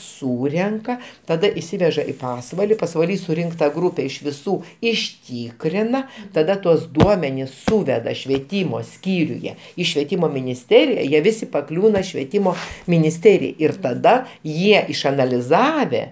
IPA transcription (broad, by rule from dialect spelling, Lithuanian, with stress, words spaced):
ˈsuːrʲɛŋkɐ tɐˈdɐ ɪʃʲˈsʲɪʋʲɛʒɐ ɪ ˈpɑːsʋɐlʲɪ pɐsʋɐˈlʲiː sʊˈrʲɪŋktɐ ˈɡruːpʲɛ ɪʃ ʋʲɪˈsuː ɪʃʲˈtʲiːkrʲɪnɐ tɐˈdɐ tuɔs ˈduɔmʲɛnʲɪs ˈsuːʋʲɛdɐ ʃʲʋʲiɛˈtʲiːmoː ˈsʲkʲiːrʲʊjɛ ˈiː ʃʲʋʲiɛˈtʲiːmoː mʲɪnʲɪsʲˈtʲæːrʲɪjɛ ˈjiɛ ˈʋʲɪsʲɪ pɐˈklʲuːnɐ ʃʲʋʲiɛˈtʲiːmoː mʲɪnʲɪsʲˈtʲæːrʲɪjɛɪ ɪr tɐˈdɐ ˈjiɛ ɪʃɐnɐlʲɪˈzɑːʋʲɛ